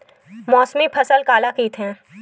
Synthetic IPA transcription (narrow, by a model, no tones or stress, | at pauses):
mɔːsmipʰɐsəlkaːlakiːt̪ɦɛ̃ː